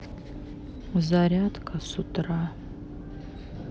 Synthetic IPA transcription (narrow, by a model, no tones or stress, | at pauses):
zaɾʲatkʰʼasutʰʼra